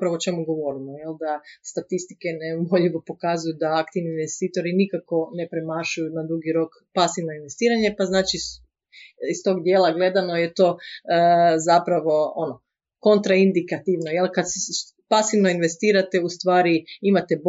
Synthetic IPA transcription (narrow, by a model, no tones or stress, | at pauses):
pɾaʋoːt͡ʃe̞muɡo̞ʋo̞ɾimojeld̪ast̪at̪ist̪ikenemoʎiʋo̞po̞kazujud̪aakt̪iʋniːnʋe̞st̪iːt̪o̞ɾinikako̞ne̞pɾe̞maʃujunad̪ɾuɡiɾo̞k | pasiʋno̞inʋe̞st̪iːɾaɲe̞paznaːt͡ʃi | ist̪o̞ɡd̪jeːlˠaɡle̞d̪ano̞jet̪o̞ː | zapɾaʋo̞ono | ko̞nt̪ɾaind̪ikat̪iʋnojelˠkad̪s | pasiʋno̞inʋe̞st̪iːɾat̪eust̪ʋaːɾiimat̪e̞b